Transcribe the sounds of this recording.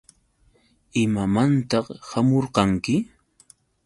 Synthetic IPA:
ɪmamant̪ɑχhamoɾqɑŋkɪ

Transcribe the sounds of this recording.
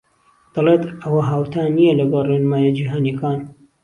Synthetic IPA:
d̪̥ɐleːt̪ɐwɐɦaːwt̪ʰaːnijelɐɡɐlrenmaːjad͡ʒiːɦaːnjekaːn

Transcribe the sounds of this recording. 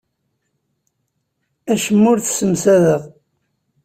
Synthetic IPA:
æʃəmːʊɾθsəmsæðəʁ

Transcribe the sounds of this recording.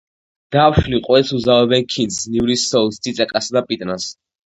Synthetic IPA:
d̪̥afʃliqʼwɛsuzaɔbɛnkʰind̪snivɾisɔulst̪ʰit̪sʼɛkʼasad̪apʼit̪ʼnas

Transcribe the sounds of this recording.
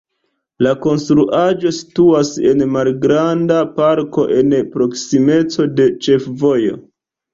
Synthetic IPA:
lako̞nstɾuʔad͡ʒo̞si̥tuase̞̰nmalɡɾandapaɾko̞ʔe̞npɾo̞ksime̞t͡so̞de̞t͡ʃe̞fvo̞jo̞̰

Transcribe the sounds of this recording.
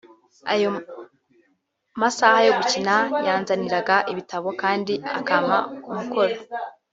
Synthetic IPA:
a̰jo̞ | masaːhajo̞ɡucinajaːnzaniɾaɡaʔiβitaβo̞kaːndia̰kaːma̰umuko̞ɾo

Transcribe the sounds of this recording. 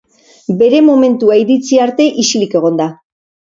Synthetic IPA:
be̞ɾe̞mo̞me̞nt̪uaiɾit͡siaɾt̪e̞ʔisilike̞ɣ̞o̞nd̪a

